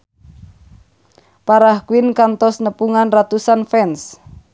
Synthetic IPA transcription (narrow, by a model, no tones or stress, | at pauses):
paɾahkwɪnkant̪ɔsnəpuŋanrat̪usanfɛns